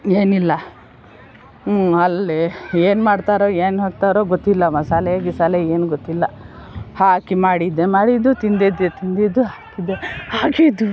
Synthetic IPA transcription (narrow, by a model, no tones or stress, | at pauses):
eːnilːɐ | ɐlːeeːnmaːɽt̪aːɾoːeːnɦoːɡ̚t̪aːɾoːɡot̪ːilːɐmɐsaːljaːɡisaːleeːnuɡot̪ːilːɐ | haːkimaːɽid̪emaːɽid̪ut̪ind̪ed̪et̪ind̪id̪uɦaːkid̪ehaːɡid̪u